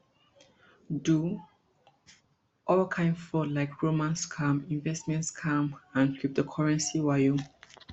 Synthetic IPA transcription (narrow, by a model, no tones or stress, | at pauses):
du | ʔɔlkʰãɪ̃nfɔlaɪkʰɹomãnskʰãmĩnvɛstmɛ̃ntskʰãmãnkʰip̚dəkʰɔɹɛ̃nsiwajum